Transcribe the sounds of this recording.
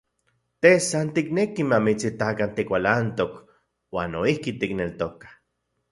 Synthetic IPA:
t̪esant̪iknekimamit͡sit̪akant̪ikʷalant̪ok | waːnoihkit̪iknelt̪okḁ

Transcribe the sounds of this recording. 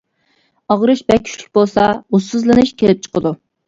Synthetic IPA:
ɑʁɾɨʃbɛkʲʰy̥ʃlʲy̥k̚ʲbolˠsɑusɨzlˠɨnɨʃkʲʰelɪp̚t͡ʃʰə̥qəd̪u

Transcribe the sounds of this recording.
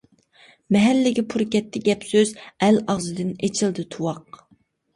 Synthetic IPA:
mɛɦɛlːɪɡʲɪpʰuɾkʲɛt̪ʰːɪɡʲɛpsøzɛlɑʁzɨd̪ɪnet͡ʃʰilˠd̪ɨt̪ʰuwɑq

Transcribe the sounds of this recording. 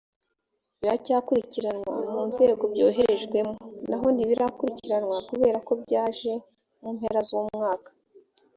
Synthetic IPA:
βiɾacaːkuɾiciɾanŋwa̰muːnze̞ːɡo̞bɟo̞̰ːɦe̞ɾeʒɡwe̞monaɦo̞n̥iβiɾakuɾiciɾanŋwakuβe̞ːɾako̞bɟaːʒe̞ | muːmhe̞ɾazumŋaːkḁ

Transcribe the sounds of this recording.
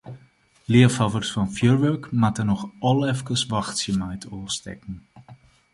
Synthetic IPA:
lɪəfɑvərsfɑnfjøɹʋøkmatənɔxɔlˠɛfkəsʋɑxtsəmɛjtʰoːstɛ̰kn̩

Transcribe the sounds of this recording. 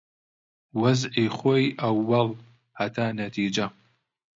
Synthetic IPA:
wɐzʔiːχʷojʔɐwːɐl | hɐt̪ʰaːnɐt̪ʰiːd͡ʒɐ

